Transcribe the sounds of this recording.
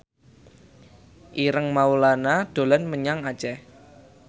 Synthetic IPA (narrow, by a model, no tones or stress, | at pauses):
ʔiɾəŋmaulanad̪̥o̤lanməɲaŋad̥d͡ʒ̥ɛ